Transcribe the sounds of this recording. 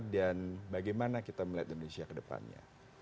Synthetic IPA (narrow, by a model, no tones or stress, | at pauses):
danbaɡajmanakit̪aməliat̪indonesiakədəpa̰nɲa̰